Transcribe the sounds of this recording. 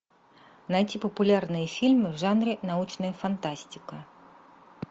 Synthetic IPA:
najt͡sʲipɐpulʲarnɨjɐfʲilʲmɨwʐanɾɨnaut͡ʂnɐjɐfant̪asʲt͡sʲikɐ

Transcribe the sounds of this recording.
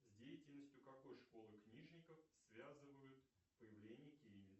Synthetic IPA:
zʲdʲejɪtʲɪlʲnəsʲtʲjʊkɐko̞jʂko̞lˠɨknʲiʐnʲɪkəfsvʲazɨvəjʊt̪ | pəjɪvlʲenʲɪjəkʲijɪvʲɪ

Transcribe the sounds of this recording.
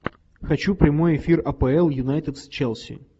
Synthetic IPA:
xɐt͡ɕupɾʲɪmo̞jɪfʲirɐpəɛlˠjʊnajt̪ʲɪt̪st͡ɕɛlˠsʲɪ̰

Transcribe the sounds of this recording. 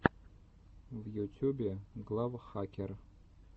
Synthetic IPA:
vjutʲʰubʲeɡlˠavχakʲʰer

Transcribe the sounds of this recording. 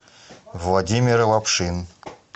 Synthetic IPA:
vlˠadʲimʲɪɾlˠapʂɨn

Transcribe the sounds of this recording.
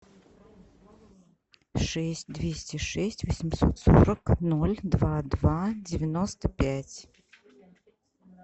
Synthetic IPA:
ʂɛsʲtʲd̪vʲesʲtʲɪʂɛsʲtʲvəsʲɪmso̰t̪so̰ɾəknolʲd̪vad̪vadʲɪvʲɪnost̪əpʲætʲ

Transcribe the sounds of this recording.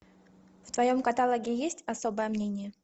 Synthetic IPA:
ft̪vɐjomkɐt̪alˠəɡʲɪjesʲtʲɐso̞bəjəmnʲenʲɪjə

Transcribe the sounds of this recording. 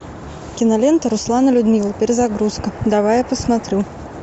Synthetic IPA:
kʲinalʲɛnt̪ɐɾuslˠanɐlʲud̪mʲilˠɐpʲɛɾʲɛzaɡɾuskɐd̪avajɛpəsmat̪ɾɨw

